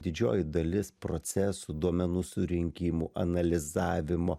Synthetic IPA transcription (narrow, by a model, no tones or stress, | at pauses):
d̪ʲɪd͡ʒʲo̰ːjɪd̪ɐlʲɪspɾot̪sʲɛsud̪uɔmʲɛnuːsuɾʲɪŋʲkʲiːmṵːʔɐnɐlʲɪzɑːʋʲɪmoː